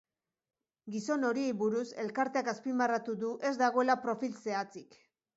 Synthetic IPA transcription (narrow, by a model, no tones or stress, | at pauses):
ɡiso̞no̞ɾie̞jβuɾuse̞lkaɾt̪e̞akaspimbarat̪uðuʔe̞zd̪aɣ̞o̞e̞lapɾo̞filse̞at͡sik